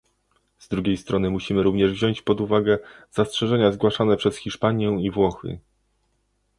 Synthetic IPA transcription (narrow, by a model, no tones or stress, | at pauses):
z̥d̪ɾuɡʲejst̪ɾɔnɘmuɕimɘɾuvɲɛʐvʑɔɲt͡ɕpɔd̪uvaɡɛz̥astʂɛʐɛɲazɡwaʂanɛpʂɛsxʲiʂpaɲjɛwivwɔxɘ̰